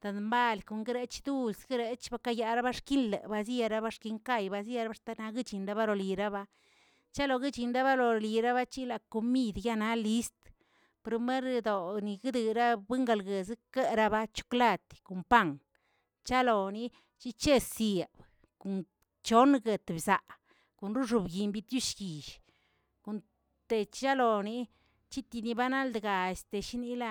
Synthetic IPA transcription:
t̪a˨nmba˧˨lko˨ŋɡe˦ɾe˦t͡ʃd̪u˦lsɡi˦ɾe˧t͡ʃba˧˦ka˦ja˧ɾa˦ba˦ʂki˦nlḛ˨ba˧s̬a˧ɾa˦ba˦ʂki˧ŋka˦˨jba˧s̬a˧ɾa˦ba˦ʂt̪a˦na˧ɡi˦t͡ʃi˨nɾa˧˦ba˦lo˨li˨ɾa˦ba˧ | t͡ʃa˦lo˨˧ɡi˦t͡ʃi˨nɾa˦βa˦lo˨li˨ɾa˦βa˦t͡ʃi˦la˨ko˨mi˦˧d̪ja˦na˦li˧˦st̪ | pɾo˧me˦ɾd̪o˨ni˨ɡɨ˦d̪ɨ˨ɾa˦bɨ˦ŋɡa˧lɡe˨zke˦ɾa˦˧ba˦t͡ʃu̥˦kla˦˧˨t̪ko˨mpa˦˨ŋ | t͡ʃa˦lo˨ni˧ | t͡ʃi˦t͡ʃe˦se˨b | ko˨n | t͡ʃo˦nɡe˨˧t̪bza˨ʔ | ko˨nɾu˦ʐu˨bɡi˨mbi˧t̪ju˦ʃɡi˨ʃ | ko˨n | t̪e˨t͡ʃt͡ʃa˦lo˨ni˧ | t͡ʃi˦t̪i˧ni˧ba˦na˦ld̪ɡa˨e˨st̪e˨ʃi˦ni˦la˦˧

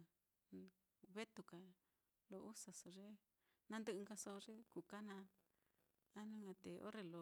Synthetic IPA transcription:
βe˦t̪u˧ka˨ | lo˧ʔu˦sa˧so˨ʐe˦ | nã˦˧nd̪ɨ˦ɨ˧ŋɡa˧so˧ʐe˦ku˨ka˦nã˧ | a˦nũ˦ŋã˧t̪e˨ʔo̰˦ɾe˧lo˧˨

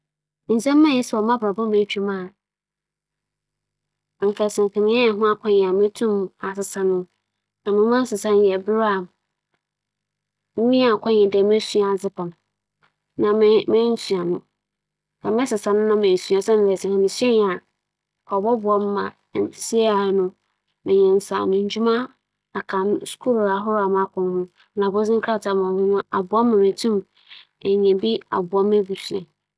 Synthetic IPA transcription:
n̩˨sɛ̃˦mː˦ã˦˨jɛ˦sɛ˨ɔ˨mã˦bɾa˨bʊ̃˦mẽ˦t͡ɕᶣi˦mã˦˨ | ŋ̩˨kʰɛ˨sɛ̃˨ŋ˨kʰɛ̃˨mɪ̃˦ɛ˦˨ɦʊ̃˦a˦kʷʰɔ̃˦ɲɛ̃˨a˨mɪ̃˦tʰũ˦ma˨sɪ˨sã˨nʊ̃˦ | nã˨mɪ̃˦mã˦n˦sɪ˨sã˦n˦jɛ˨bɪ˦ɾa˨m | m̩˦mĩ˦a˨kʰɔ̃˦ɲɛ̃˨dɛ˨mẽ˦su˦˨a˨d͡zɪ˦pʰɔ̃˨ñ˨ | nã˨˦mẽ˦n̩˦su˨a˨nʊ̃˦ | dã˨mɛ̃˦sɪ˨sa˨nʊ̃˦nã˦mẽ˨sɥa˨sɛ˦mɪ̃˨ɛ˨sɪ̃˨hʊ̃˨mɪ̃˨sɥɛ̃˦ɲ˨a˨ | kʰɔ˨bɔ˦bʊ˨ɔ˦m˦mã˨ | nsi˦a˨nʊ̃˦ | mɪ̃˨ɲɛ̃˨n̩˨sa̰ː˨nʊ̃˨ɲ̩˦d͡ʑᶣu˦mã˦ | a˨kʰã˨n˦skʰu˦lɾa˨ɦʊ˦ɾa˨mã˦kʊ̃˨n˦hʊ̃˦ | nã˨bʊ˦zɪ̃˦ŋkʰa˦˨tʰa˨mã˨hʊ̃˦nʊ̃˦a˨bʊ˨˦a˦m˦ã˨mɪ̃˨tʰũ˦m | ɛ˨ɲɛ̃˨bi˦a̰˨bʊ˨ɔ˦m˦e˦bu˨su˨ɛ̃˨n

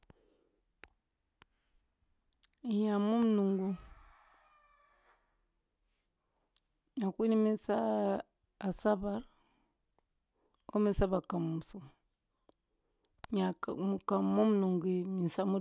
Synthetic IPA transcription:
ɲa˨mu˦mu˦nu˨ŋɡu˦ | ɲa˨ku˦ni˦mi˦sa˦ | a˨sa˦ba˨˦ɾ | o˦mi˨˦sa˦βa˨ka˨mu˨mu˨su˨m˨ | ɲa˨mu˨ka˨mu˦mu˦nu˨ŋɡi˨mi˨sa˦mu˦

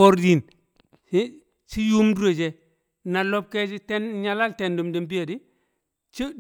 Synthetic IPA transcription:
o˦ɾdi˨n˦ | t͡ʃi˦ju˦mdu˦ɾo˨d͡ʒe˨ | na˨lo˦b̚ke˦d͡ʒi˦te˦nɲa˦la˦lte˨ndu˨mdi˨mb̬i˦ja˨di˦ | t͡ʃi˦

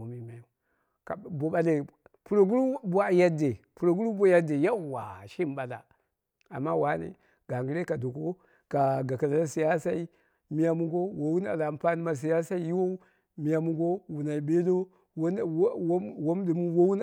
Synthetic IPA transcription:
o˨mi˨˦ma˨ju˨ | ka˨bo˨ɓa˨le˨ | pu˨ɾo˨ɡu˦ɾu˦bu˦a˨ja˦de˨pu˨ɾo˨ɡu˦ɾu˦bo˦ja˦de˨ja˦˨wa̰˨ʃi˦m˨ba˨la̰˨ | a̰˨mːa˦wa˦nḭ˨ | ɡ̥a˨ŋɡi˦ɾe˦ka˨do˨ko˦ | ka˨ɡa˨ka˨la˨la˦si˨ja˦sa˦i˦ | mi˦ja˦mu˦ɡo˦wo˨wu˦na̰˨la˨m˦pa˦ni˦ma˨s̬i˨ja˦sa˦i˦ji˦wo˦ | mi˨˦ja˦mu˦ɡo˦wu˨na˨i˨be˦lo˦ | wwo˦m˦di˨mu˦wo˦wu˦n

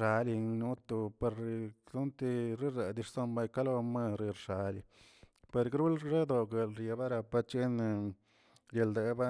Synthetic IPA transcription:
a˧li˧nu˧˦t̪u˧pe˧ɾt̪u˦nt̪i˧ɾi˦ɾe˨d̪i˧ʂso˦˧mba˧jka˦lo˧me˧ɾi˧ɾʂa˨li˧ | pe˧ɾɡɾu˦lɾe˦d̪o˧ɡe˨˧lɾje˧ba˦ɾa˧pa˧t͡ʃe˦n˧ | je˧ld̪e˧ba˦

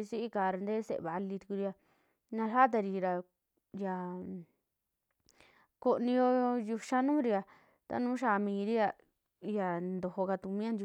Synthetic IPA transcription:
i˧si˦ʔi˦ka˧˨˧ɾa˧nd̪eː˦sḛ˨˧βa˨˧li˧t̪u˧ku˧ɾi˧ja˧ | nã˧ʃa˦t̪̬a˧ɾi˧ɾa˧ | ja˧ | ko˧ʔnĩ˧jo˧ju˧ʃa˦nũː˦ɾi˧a˧ | t̪a̰˦nũː˦ʃ̬a˧˨˧mĩː˧ɾi˦ja˧ | ja˨nd̪o˧˨ho˧ka˧t̪u˧mĩ˦a˦˧nd͡ʒu˧

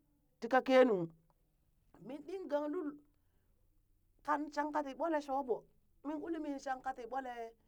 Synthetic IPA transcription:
ti˦ka˦ke˦nu˨ | mi˨nɗi˦ŋɡa˨ŋlu˦l | ka˨nt͡ʃa˦ŋka˦ti˨ɓo˦le˦ʃo˦bo˨ | mi˦nu˦li˦mi˦n˨ʃa˦ŋka˦ti˨ɓo˦le˨

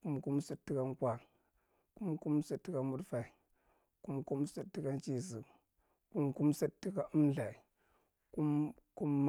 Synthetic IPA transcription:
ku˦mku˦msi˦tːi˦ka˦ŋkwa˨l | ku˦mku˦msi˦tːi˦ka˦mu˦dfa˨i˨ | ku˦mku˦msi˦tːi˦ka˦nt͡ʃi˨zi˨ | ku˦mku˦msi˦tːi˦ka˦ʔu˦mɮa˨i˨ | ku˦mku˦mː

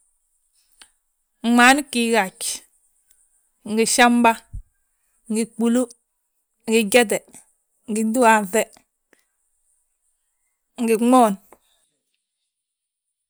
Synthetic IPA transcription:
ŋ͡ma˨˦n˦ki˨ɡa˨t͡ʃ | ŋ˨ɡi˨ʃa˦mba˦ | ŋɡi˨k͡pu˨lu˦ | ŋ˨ɡi˨ɟɛ˦t̬ɛ˨ | ŋ˨ɡi˨du˦a˨vɛ˦ | ŋ˨ɡi˨ŋ͡mɔ˦˨n

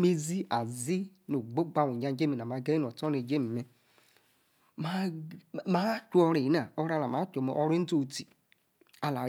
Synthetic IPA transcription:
me˦zi˦a˨zi˦no˨ɡ͡bo˦ɡ͡ba˧˨wu˨ɲa˧˦d͡ʒe˦mi˨na˨a˨˧ɡa˦i˦˨ɔ˨tɔ˦ne˨d͡ʒe˦mi˨me˨ | ma˦˨ma˨˦t͡ʃu˦ɔ˧ɾe˨i˨˦na˨ɔ˧ɾa˨˧la˨ma˨˦t͡ʃo˨me˨ʔɔ˧ɾi˦n̩˦to˦˨ti˨ | a˨la˨

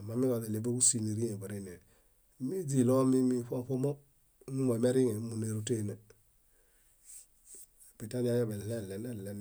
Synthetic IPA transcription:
a˨ma˨mi˦ko˨le˨le˨be˦ku˦si˨ne˨ɾi˦ŋe˨ba˨ɾi˦ne˨˦ | mi˦d͡ʒi˨lo˦mi˦mi˦fo˦fo˦mo˦ | nu˦mo˨me˦ɾi˦ŋe˨˦mu˨ne˨ɾu˦te˦˨ne˨ | bi˨ta˦d͡ʒa˦ja˦be˨le˦˨le˨ne˦˨le˨n

